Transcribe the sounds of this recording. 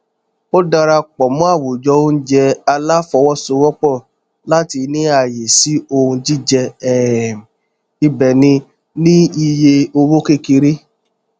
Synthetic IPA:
o˦da˧ɾa˧k͡pɔ˨mũ˦a˦˨wu˨d͡ʒɔ˧˦o˦n̩˦d͡ʒɛ˧a˧la˦fɔ˧wɔ˦˨so˧˦wɔ˦k͡pɔ˦˨ | la˦ti˧nĩ˦a˨je˨si˨˦o˧ũ˧d͡ʒi˦d͡ʒɛ˧ɛ˦˨ | i˧bɛ˨nĩ˧ | nĩ˦i˧je˧o˧wo˦ke˦˨ki˧ɾi˦

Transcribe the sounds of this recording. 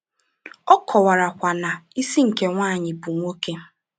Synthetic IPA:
ɔ˦kʰɔ˨wa˨ɾa˨kʷa˨na˨i˦si˦ŋ̩˨ke˦ŋʷaː˦˨ɲɪ˨pu˨ŋʷo˦ke˦

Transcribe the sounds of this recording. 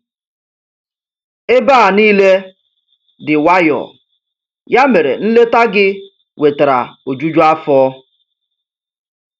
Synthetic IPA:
e˦baː˦˨niː˦le˦ | dɪ˨wa˦jɔ̰˨ | ja˦me˨ɾḛ˨n̩˦le˦ta˦ɡɪ˦ | we˨ta˨ɾa̰˨o˨d͡ʒu˦d͡ʒu˦a˦fɔː˦

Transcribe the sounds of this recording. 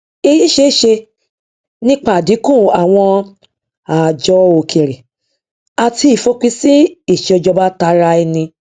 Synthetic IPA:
e˧ji˦ʃe˧˦˨ʃe˧ | nĩ˦k͡pa˦˨di˨˦kũ˦˨a˨w̃ɔ̃˧ | a˨d͡ʒɔ˨˦o˨kʰe˨ɾe˨ | a˨ti˧i˨fo˨˦k͡pi˦si˦i˦˨ʃe˧ɔ˧d͡ʒɔ˧ba˦ta˧ɾa˧ɛ˧nĩ˧

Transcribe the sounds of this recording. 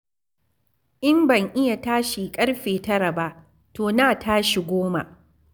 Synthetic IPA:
ʔɪ˦mbɐ˨ŋʔɪ˦ja˨taː˦ʃi˨kʼɐ˦ɽɸeː˨tɐ˦ɾa˨ba˦ʔ | toː˨naː˨tʰaː˦ʃi˨ɡʷoː˦ma̰˨ʔ

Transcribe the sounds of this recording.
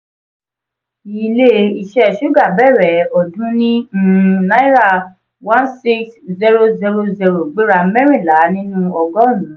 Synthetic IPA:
i˨˧le˦i˧ʃɛ˧˨ʃu˦ɡa˦˨bɛ˦˨ɾɛ˨ɔ˨dũ˦nĩ˦nã˦i˦ɾa˦˨ | wã˦nsi˦kszi˧˦ɾo˧zi˧ɾo˧zi˧ɾo˨ɡ͡be˦ɾa˧˦mɛ˦ɾ̃ĩ˦˨la˨˦nĩ˦nũ˦ɔ˧ɡɔ˦˨nũ˨˦

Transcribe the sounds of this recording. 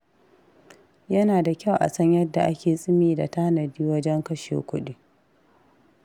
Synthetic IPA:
jɐ˦naː˨da˨kʲa˦wʔa̰˨sɐ˦ɲjɐ˦dːa˨ʔa˦kʲeː˨sʼɪ˦miː˨da̰˨taː˦nɐ˨diː˦wɐ˦d͡ʒɛ˦ŋkɐ˦ʃḛː˨kʷʊ˦ɗi˦

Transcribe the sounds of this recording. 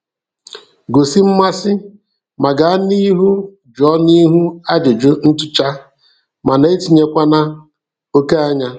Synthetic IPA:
ɡo˨si˦m̩˦ma˦sɪ˦ | ma˨ɡa˨a˦ni˦ɦu˦ | d͡ʒɔ˨˦ni˦ɦu˦a˦d͡ʒʊ˨d͡ʒʊ˦n̩˦tʊ˦t͡ʃa˦ | ma˨na˨e˦ti˨ɲe˦kʷa˦na˦ | o˦ke˦a˦ɲa˦

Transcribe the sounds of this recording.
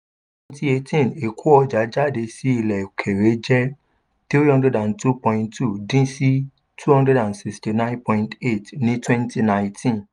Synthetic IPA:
twɛ̃˧nti˦e˧tʰĩ˦˨ne˨kʰu˦ɔ˧d͡ʒa˨˦d͡ʒa˦˨de˧si˦i˧lɛ˨kʰe˨ɾe˨˦d͡ʒɛ˦ | tɾi˦ɾi˦hɔ̃˦ndɾɛ˧dã˨ntu˦pɔ̃˧ĩ˧ntːu˦˨dĩ˦si˦ | tʰu˦hɔ̃˦ndɛ˧˦dã˨nsi˨sti˨nã˦npɔ̃˧ĩnte˦˨tnĩ˦twɛ̃˦nti˦nã˧˦j̃tĩ˦n

